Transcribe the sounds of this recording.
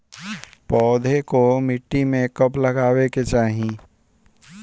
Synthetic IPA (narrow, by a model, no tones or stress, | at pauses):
pɔːd̪ʱekomɪʈːimẽkɐplɐɡaːweket͡ʃaːɦĩ